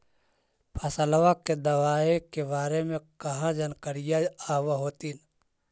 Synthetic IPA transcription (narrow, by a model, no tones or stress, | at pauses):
pʰɐsəlwaked̪ɐʋaːekebaːɾemẽkɐɦãd͡ʒənkəɾɪjaawaɦoːt̪in